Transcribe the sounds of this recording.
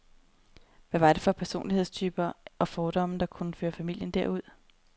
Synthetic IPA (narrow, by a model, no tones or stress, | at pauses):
ʋæʋɑ̈d̥e̝fɒ̽pʰæɐso̝̰ːnliheð̰ˠst͡sʰyːb̥ɐʔɒ̽fɒːd̥ɒ̽m̰n̩d̥ɑ̈kʰunəføːɐfæmil̰jənd̥æɐ̰uð̞̰ˠ